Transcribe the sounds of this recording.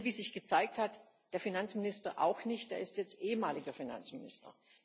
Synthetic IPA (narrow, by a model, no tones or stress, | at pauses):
viːzɪçɡ̥ət͡saɪk̚that | d̥eːɐfinant͡smɪnɪstɐʔa̰ʊxnɪçt̚d̥eːɐɪstjɛt͡stʔeːəmaːlɪɡɐfina̰nt͡smɪnɪ̰stɐ̰